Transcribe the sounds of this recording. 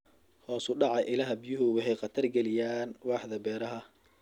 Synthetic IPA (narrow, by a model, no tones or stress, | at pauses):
hɔːsʊɖɑʕɑjʔɪlɐːɦɐbijʊɦʊwɑħɛjqɑt̪ʰɐrɡɛlɪjaːnwɑːħðɐbɛːɾɐɦɐ